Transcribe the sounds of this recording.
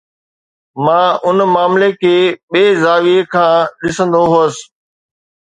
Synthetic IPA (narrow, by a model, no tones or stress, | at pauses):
mãːʊnmaːmlekʰeːɓeːzaːʋiekʰãːɗɪsə̃nd̪oɦoːs